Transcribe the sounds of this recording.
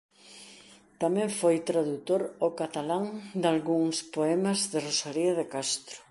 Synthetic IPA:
t̪amɛ̃ɱfojt̪ɾaðut̪oɾokat̪alaŋd̪alɣuŋspoɛmɐzðɪrosaliɐðekast̪ɾʊ̥

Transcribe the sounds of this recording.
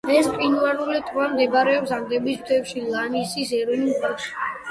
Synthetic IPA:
ɛspʼinuaɾulɛt̪ʼvamd̪ɛbaɾɛɔpsaŋɡɾɛbisbt̪ʰɛpʃilˠanisisɛɾɔnimɡaʃi̥

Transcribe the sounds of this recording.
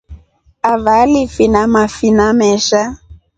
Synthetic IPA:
avalifinamafinamɛʃa

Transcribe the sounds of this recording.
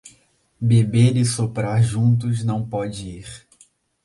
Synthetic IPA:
bebeɾɪsopɾaɾʒũnt̪̬ʊznɐ̃w̃pɔd͡ʒɪiχ

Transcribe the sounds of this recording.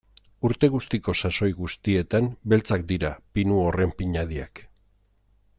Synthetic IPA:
uɾt̪e̞ɣ̞ust̪iko̞saso̞jɣust̪ie̞t̪ambe̞lt͡sak̚d̪iɾapinuo̞re̞mpiɲað̞ia̰k

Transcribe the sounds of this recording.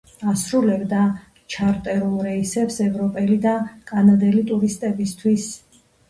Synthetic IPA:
asɾulɛbd̪a | t͡ʃʰaɾt̪ʼɛɾulˠɾɛisɛpsɛvɾɔpʼɛlid̪akʼanad̪ɛlit̪ʼuɾist̪ʼɛbist̪ʰwis

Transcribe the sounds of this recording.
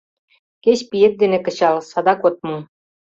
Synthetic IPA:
keɕʲpijĕt̪̚d̪enĕkɤ̆ɕɑlsɑd̪ɑkot̪̚mɤ

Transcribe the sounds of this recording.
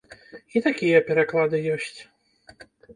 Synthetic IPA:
it̪akʲijɛpʲɛɾaklˠad̪ɨjɔsʲt͡sʲ

